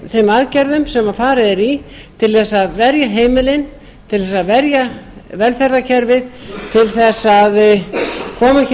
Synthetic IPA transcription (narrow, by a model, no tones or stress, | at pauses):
θejmaðcɛɾðʏmsɛmːafaːɾɪðɛɾi | t̪ʰɪlθɛsaðvɛɾjaɦeːjmɪlɪn | t̪ʰɪlθɛsaðvɛɾjavɛlfɛɾðacʰɛɾvɪðt̪ʰɪlθɛsːað | kʰɔːma